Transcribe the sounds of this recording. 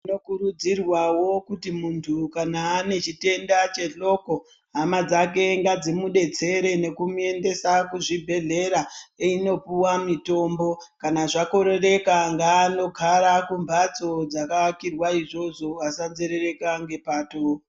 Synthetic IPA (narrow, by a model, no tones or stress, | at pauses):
ino̞kuɾud͡zirwawo̞kutimuntʰukanaːne̞t͡ʃite̞ndat͡ʃe̞ɮo̞ko̞ | ɦamad͡zak̬e̞ŋɡad͡zimuɗe̞t͡se̞ɾe̞ne̞kumue̞nde̞sakuʐibʱe̞ɮe̞ɾaeino̞puwamito̞mbo̞kanaʐako̞ɾe̞re̞kaŋɡaːno̞ɡʱaɾakumbʱat͡so̞d͡zakakirwaiʐo̞ʐo̞asanzeɾe̞re̞kaŋɡe̞paːto